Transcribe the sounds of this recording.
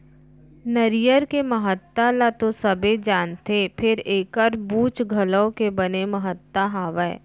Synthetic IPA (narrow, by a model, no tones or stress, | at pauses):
nəɾɪjəɾkeməɦət̪ːalat̪osɐbed͡ʒaːnt̪epʰɪɾeːkəɾbuːt͡ʃɡʱɐləõkebɐnemɐɦət̪ːaɦaːʋɛː